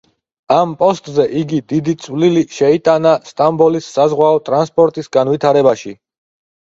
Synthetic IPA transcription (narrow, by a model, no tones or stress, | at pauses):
ampʼɔst̪ʼzɛʔiɡid̪id̪it̪sʼwliliʃɛit̪ʼanast̪ʼambɔlisːazʁwaɔt̪ʼɾanspʼɔɾt̪ʼisɡanvit̪ʰaɾɛbaʃi